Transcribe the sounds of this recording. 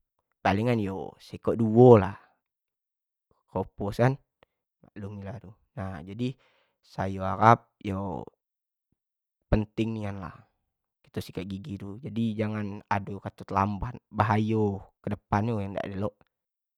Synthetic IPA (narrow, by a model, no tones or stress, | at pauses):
paliŋanjo̰sekoʔduolah | koposan | ma̰ʔlumiladu | nad͡ʒadi | sajoaɾap̚jo̰ | pənt̪ɪŋnianla̰h | ki̥t̪usikaʔɡiɡidud͡ʒadid͡ʒaŋana̰dokat̪ut̪lambanbaɦajokədəpanjojaŋda̰ʔdeloʔ